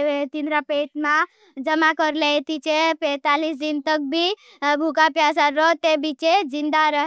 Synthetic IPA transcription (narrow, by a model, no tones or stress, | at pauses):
ʋet̪inɾapeʈmã | d͡ʒəmakəɾlet̪it͡ʃepɛːt̪alis̬d͡ʒ̪int̪ək̚bʱi | bʱukapjas̬aɾɔt̪ebit͡ʃed͡ʒind̪aɾəɦ